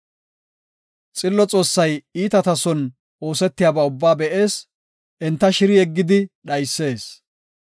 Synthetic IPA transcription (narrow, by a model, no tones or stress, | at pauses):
t͡sʼɪlːɔt͡sʼo̞ːsːɐjiːt̪ɐt̪ɐsɔn | ʔo̞ːsɛt̪ːɪjaːbaʊbːaːbɛʔe̞ːs | ʔɛnt̪ːɐʃɪɾɪɛɡːɪd̪ɪɗɐjsːe̞ːs